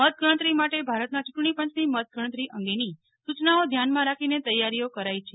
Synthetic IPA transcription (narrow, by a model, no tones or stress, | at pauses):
mət̪̚ɡʱəɭ̃ə̃t̪ɾimaʈebʱaɾət̪nat͡ʃʊʈɳ̃ipə̃ɲt͡ʃnimət̪̚ɡʱəɽ̃t̪ɾiʔə̃ŋɡeni | sut͡ʃnaod̪ʱjanmãɾakʰinet̪əjːaɾijokəɾajt͡ʃʰe